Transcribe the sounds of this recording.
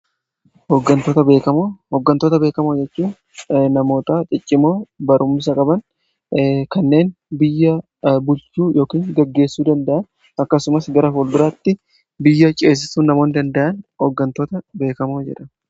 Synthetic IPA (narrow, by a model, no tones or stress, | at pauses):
hɔɡːɐnt̪oːt̪ɐbe̞ːkɐmoːhɔɡːɐnt̪oːt̪ɐbe̞ːkɐmoːd͡ʒɛt͡ʃːuːn | nɐmo̞ːt̪aːt̪ʼɪt͡ʃʼːɪmo̞ːbɐɾʔʊmːɪs̬ɐkʼɐbɐn | kɐnːe̞ːnbɪjːɐ | bʊlt͡ʃuːjo̞ːkiːŋɡɐɡːe̞ːsːuːd̪ɐnd̪ɐʔɐn | ɐkːɐsʊmɐsɡɐɾɐfoːld̪ʊɾaːt̪ːɪ | bɪjːɐt͡ʃʼe̞ːs̬ːɪsuːnːɐmo̞ːnd̪ɐnd̪ɐʔɐnhɔɡːɐnt̪o̞ːt̪ɐbe̞ːkɐmoːd͡ʒɛ̰ᶑɐ